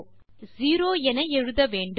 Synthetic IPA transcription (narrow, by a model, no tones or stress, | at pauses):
ziːɾoːɛnɐɛɻɯðɐʋeːɳɖɯ